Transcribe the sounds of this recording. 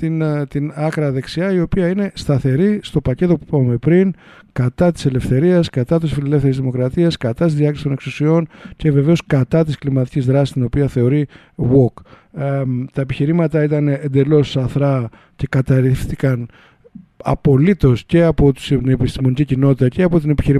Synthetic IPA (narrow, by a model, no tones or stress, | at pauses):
t̪int̪inɐkɾɐðe̞ksiɐio̞piɐine̞st̪ɐθe̞ɾist̪o̞pɐce̞t̪o̞pu̥pɐvme̞pɾin | kɐt̪ɐt̪i̥se̞le̞fθe̞ɾiɐskɐt̪ɐt̪isfile̞le̞fθeizðimo̞kɾɐt̪iɐskɐt̪ɐt̪izðiɐkɾst̪o̞ne̞ksusio̞nce̞ve̞ve̞o̞skɐt̪ɐt̪isklimɐt̪icizðɾɐsist̪ino̞piɐθe̞o̞ɾi | wok | t̪ɐe̞piçiɾimɐt̪ɐit̪ɐnend̪e̞lo̞sɐθɾɐ | ce̞kɐt̪ɐɾifθikɐn | ɐ̰po̞lit̪o̞sce̞ɐpo̞t̪u̥snepist̪imo̞nicicino̞t̪it̪ɐce̞ɐpo̞t̪ine̞pi̥çiɾi